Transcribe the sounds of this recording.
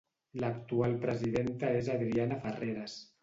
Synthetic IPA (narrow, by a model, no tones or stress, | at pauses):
lakt̪ualpɾəziðent̪aezaðɾianafareɾas